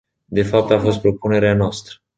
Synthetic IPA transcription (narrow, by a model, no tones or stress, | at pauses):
d̪e̞fap̚t̪afo̞st̪pɾo̞pune̞ɾeanoast̪ɾə